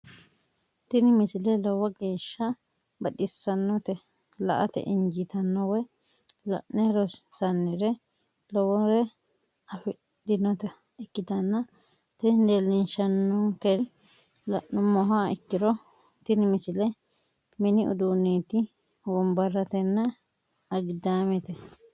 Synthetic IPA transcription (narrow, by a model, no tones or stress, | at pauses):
t̪ɪnɪmɪsɪlɛlɔwɐɡe̞ːʃːɐ | bɐɗɪsɐnːɔt̪ɛ | lɐ̰ʔɐt̪ɛ̰ʔɪɲd͡ʒɪt̪ɐnːɔwɔ | lɐ̰ʔnɛɾɔsɐnːɪɾɛ | lɔwɔɾɛ | ɐfɪ | dɪnɔt̪ɐ | ɪkːɪt̪ɐnːɐ | t̪ɛd̪elːɪnʃɐnːɔkɛ | lɐ̰ʔnʊmɔɦaɪkːɪɾɔ | t̪ɪnmɪsɪlɛ | mɪnɪʔʊ̰d̪uːnːeːt̪ɪ | wɔmbɐrːɐt̪ɛnːɐ | ɐɡɪd̪aːmɛt̪ɛ